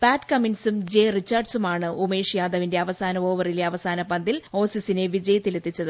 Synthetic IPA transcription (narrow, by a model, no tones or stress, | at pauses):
paːʈkɐminsumd͡ʑe̞rit͡ɕːaːrɖsumaːɳɨume̞ːʂijaːd̪ɐʋinde̞ɐʋɐsaːnɐo̞ːʋɐrileɐʋɐsaːnɐpɐnd̪ilo̞ːsisine̞ʋid͡ʑɐjɐt̪ːile̞t̪ːit͡ɕːɐðɨ